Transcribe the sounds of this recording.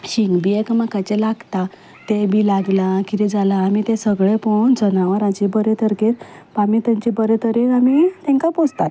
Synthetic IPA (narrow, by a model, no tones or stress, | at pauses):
ɕiŋɡbiekmakat͡ɕelaɡt̪a | t̪ebilaɡlakit̪id͡zalaːmit̪ẽsəɡɭepond͡zənaʋəɾad͡ʑibəɾet̪əɾkeɾ | pamit̪ãɲt͡ɕibəɾet̪ʰəɾeamit̪ɛ̃ŋkapod͡zt̪at̪